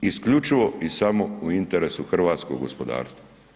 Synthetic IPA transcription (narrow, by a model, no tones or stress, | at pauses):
iskʎʲut͡ʃiʋoisamouint̪eɾesuxr̩ʋaːt̪skoɡɡo̰spod̪a̰ːɾst̪a